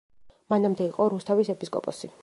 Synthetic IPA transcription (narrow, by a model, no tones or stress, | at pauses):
manamd̪ɛiqʼɔɾust̪ʰavisɛpʰiskʼɔ̰pʼɔsi